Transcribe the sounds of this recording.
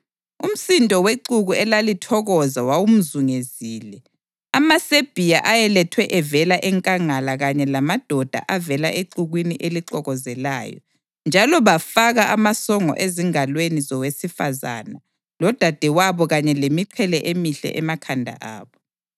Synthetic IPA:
um̩sintʼɔweǃuɣuɛlalitʰɔɣɔzawawum̩zuŋeziːlɛ | amaseb̥ʱijaʔajɛlɛtʰwɛʔɛvɛlaʔɛŋkʼaŋalaɣaɲɛlamad̥ʱɔd̥ʱa̰ʔavɛlaʔeǃuɣwiniʔeliǃɔɣɔzɛla̰ːjɔ̰ | nd͡ʒʱalɔβafaɣaʔamasɔŋɔ̰ʔeziŋalwenizɔwesifaza̰na | lɔd̥ʱad̥ʱɛwaβɔɣaɲɛlemiǀʰɛlɛʔemiɬɛ̰ʔɛmakʰandʱa̰ʔa̰ːβɔ

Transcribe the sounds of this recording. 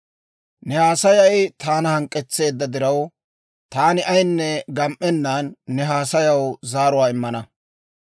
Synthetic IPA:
nɛhaːsɐjɐjɪt̪aːnɐhɐŋkʼːɛt͡sːe̞ːd̪ːɐd̪ɪɾɐw | t̪aːnɪʔɐjnːɛɡɐmʔɛnːaːnːɛɦaːsɐjɐwzaːɾʊwaːɪmːɐnɐ

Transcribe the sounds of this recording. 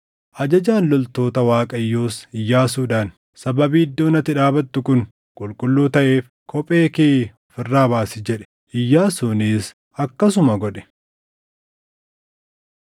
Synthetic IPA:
ʔɐd͡ʒɐd͡ʒaːnlɔlt̪o̞ːt̪ɐwaːkʼɐjːoːsɪjːaːs̬uːᶑaːn | sɐbɐbiːɪd̪ːoːnɐt̪ːɪᶑaːbɐt̪ːʊkʊn | kʼʊlkʼʊlːuːt̪ɐʔe̞ːf | kʰɔpʼe̞ːkeː | fɪrːaːbaːsɪd͡ʒɛᶑɛ̥ | ʔɪjːaːsuniːs | ɐkːɐs̬ʊmɐɡɔᶑɛ̥

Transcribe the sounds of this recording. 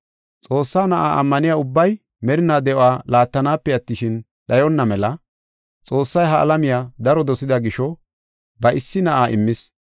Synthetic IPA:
t͡sʼo̞ːsːaːnɐʔaːʔɐ̰mːɐnɪjaːʊbːɐj | mɛɾɪnaːd̪ɛʔɔaːlaːt̪ːɐnaːpːɛɐt̪ːɪʃɪn | ɗɐjɔnːɐmɛlɐ | t͡sʼo̞ːsːɐjɦɐʔɐ̰lɐmɪjaːd̪ɐɾɔd̪ɔsɪd̪ɐɡɪʃɔ | bɐʔɪsːɪnɐʔaːʔɪ̰mːɪs

